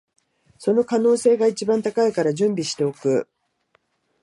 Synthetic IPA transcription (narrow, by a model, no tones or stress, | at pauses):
so̞no̞kano̞ːse̞ːɡait͡ɕibãnt̪akaikaɾaʑɨ̃mbʲiɕi̥t̪e̞o̞kɯ̟̰